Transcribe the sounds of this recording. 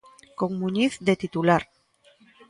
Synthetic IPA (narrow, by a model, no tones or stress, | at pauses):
koŋmuɲiθd̪et̪it̪ulaɾ